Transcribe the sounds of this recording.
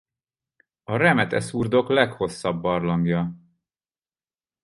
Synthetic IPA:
ɒɾɛmɛt̪ɛ̰surd̪o̞klɛkho̞sːɒbːɒrlɒŋɡjɒ

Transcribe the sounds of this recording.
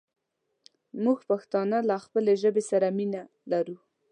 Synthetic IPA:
muɡpaxt̪ɑnəlaxpəleʒəbesaɾamina | laɾu

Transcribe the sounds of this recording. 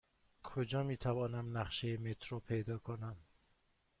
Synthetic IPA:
kʰod͡ʒɒːmiːt̪ʰævɒːnæmnæχʃejemet̪ʰɾopʰejd̪ɒːkʰonæm

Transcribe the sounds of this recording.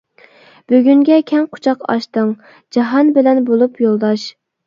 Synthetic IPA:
b̥øɡʲyŋɡʲɛkʲʰɛŋqʰʊ̥t͡ʃʰɑqɑ̰ʃt̪əŋ | d͡ʒɑɦɑnbɪlɛnbolˠupjolˠd̪ɑʃ

